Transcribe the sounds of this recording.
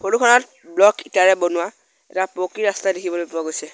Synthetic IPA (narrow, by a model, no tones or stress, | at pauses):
pʰoɹukʰɔnɔt̚ | blɔkitaɹɛbonʊwa | ɛtapokiɹastadekʰibɔlojpʊɹaɡojsɛ